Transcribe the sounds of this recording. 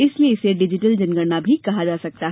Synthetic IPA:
ɪslieɪseɖɪd͡ʒɪʈəld͡ʒɐnɡəɾnabʱikɐɦad͡ʒaːsɐk̚t̪aɦ

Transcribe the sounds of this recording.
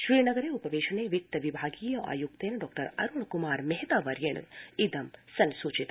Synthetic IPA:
ʃɾiːnɐɡɐɾeːupɐʋeːʃɐneːʋik̚t̪ɐʋibʱaːɡiːjɐʔa̰ːjuk̚t̪eːnɖɔːk̚ʈɐɾɐɾuɭkumaːɾmeɦt̪aːʋɐɾjeɳ̰id̪ɐmsɐnsut͡ʃit̪

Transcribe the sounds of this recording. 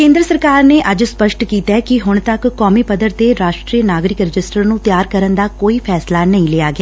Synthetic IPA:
kẽːnd̪ɾəsəɾkaːɾneːʔəd͡ʒspəʃʈkiːt̪ɛːkɪɦʊɳ̃t̪əkːɔːmiːpəd̪əɾt̪eɾaːʃʈɾiːənaːɡɾɪkɾɪd͡ʒɪsʈəɾnũːt̪ɪjaːɾkəɾənd̪aːkoːiːpʰɛːslaːnəĩːleːaːɡɪaː

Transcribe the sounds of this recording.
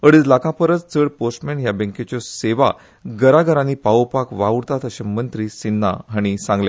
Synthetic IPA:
əɽid͡zlakãpəɾət͡st͡səɽposʈmẽɳʈɦjabə̃ŋket͡ɕjɔseʋa | ɡəɾaɡəɾanipaopakʋaʋɾt̪at̪əɕemənt̪ɾiːsinːa̰ɦaɽ̃isãŋɡle

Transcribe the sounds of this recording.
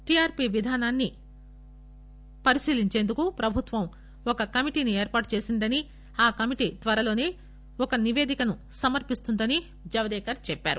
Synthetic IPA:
ʈiaːɾpiːʋid̪ʱaːnaːnːi | pɐɾisiːliɲt͡ʃe̞ːnd̪ukupɾɐbʱut̪ʋɐm | ɔkɐkɐmiʈiːnieːɾpaːʈut͡ʃe̞ːsind̪ɐni | aːkɐmiʈiːt̪ʋɐɾɐlo̞ːne̞ː | ɔkɐniʋe̞ːd̪ikɐnu | sɐmɐɾpist̪und̪ɐni | d͡ʒɐʋɐd̪ɛːkɐɾt͡ʃɛpːa̰ːɾu

